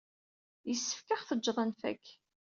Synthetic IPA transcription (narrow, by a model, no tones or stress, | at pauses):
jəsːə̥fkaχθəd͡ʒːðˤənfæ̰kː